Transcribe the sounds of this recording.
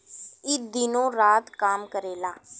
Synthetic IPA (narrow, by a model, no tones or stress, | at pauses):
ɪd̪iːnõːɾaːt̪kaːmkəɾeːlaː